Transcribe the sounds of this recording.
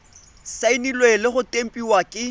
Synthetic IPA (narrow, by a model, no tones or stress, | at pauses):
sainilwelɪχʊtʼem̩pʼiwakʼɪ